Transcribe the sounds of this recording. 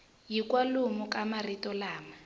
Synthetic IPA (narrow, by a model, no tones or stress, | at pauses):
jikwalumʊkʼamaritɔlaːma